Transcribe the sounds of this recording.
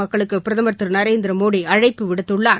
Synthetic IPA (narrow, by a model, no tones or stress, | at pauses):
ɐkːɐɭɯkːɯpɪɾɐðɐmɐɾt̪ːɯɾnɐɾeːnd̪ɪɾɐmoːɽiɐɻɐɪpːɯʋɪɽɯt̪ːɯɭːaː